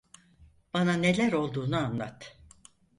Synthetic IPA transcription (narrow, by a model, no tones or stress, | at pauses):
b̥anane̞lʲæɾo̞lˠd̪uːnuanlˠa̰t̪